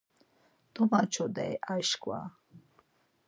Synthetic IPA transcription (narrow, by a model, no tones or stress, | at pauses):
t̪ɔmat͡ʃʰɔd̪ɛ̰jaʃkʼwa̰